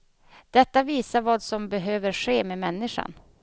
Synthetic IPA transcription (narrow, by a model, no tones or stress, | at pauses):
d̪̥ɛt̪ːaviːsaɾvɑːd̪sɔmbɛɦøːvəɾʂeːmemɛnːɪʂa̰n